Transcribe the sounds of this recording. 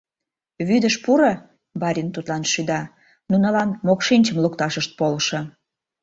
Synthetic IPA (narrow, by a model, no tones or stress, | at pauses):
βyd̪əʃpuɾə | bɑɾʲint̪ut̪lɑnʃyd̪ɑ | nunəlɑnmokʃinʲt͡ɕəmlukt̪ɑʃəʃt̪̚polʃɤ̆